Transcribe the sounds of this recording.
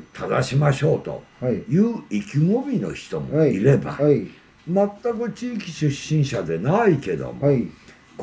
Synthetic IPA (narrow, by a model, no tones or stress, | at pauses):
t̪ʰad̪aɕimaɕo̞ːt̪o̞̰jɯːikʲiŋobʲino̞̰çi̥t̪o̞moiɾe̞ba̰ | mat̪ːakɯ̟t͡ɕiːkʲi̥ɕɨɕːĩɰ̃ɕad̪e̞naike̞d̪o̞̰m | k